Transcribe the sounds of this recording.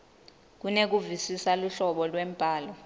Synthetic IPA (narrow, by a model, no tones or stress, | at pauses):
k̬unek̬uvisisaluɬɔɓɔlwem̩pʼaːlɔ